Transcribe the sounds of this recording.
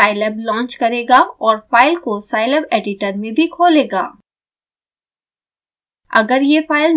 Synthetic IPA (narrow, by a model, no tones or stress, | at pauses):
aːɪlɛblɔ̃ːnt͡ʃkɐɾeːɡaɔːɾfaːɪlkosaːɪlɛbeːɖɪʈəɾmẽbʱikʰoːleːɡa̰ː | ɐ̰ɡəɾjefaːɪl